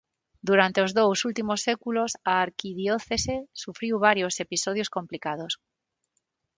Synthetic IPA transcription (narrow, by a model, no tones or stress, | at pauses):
d̪uɾant̪eozðowsult̪imosːekulosaːɾkiðjoθesesufɾiwβ̞aɾjosepisoðjoskõmplikað̞os